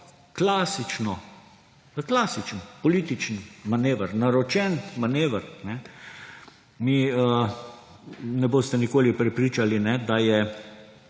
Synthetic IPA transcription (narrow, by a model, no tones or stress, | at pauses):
klaːsit͡ʃnɔ | klaːsit͡ʃənpɔliːt̪it͡ʃnmaneːʋəɾnaɾɔt͡ʃɛnmaneːʋəɾnɛ | miə | nɛboːst̪ɛnikoːlipɾɛpɾiːt͡ʃalinɛd̪ajɛ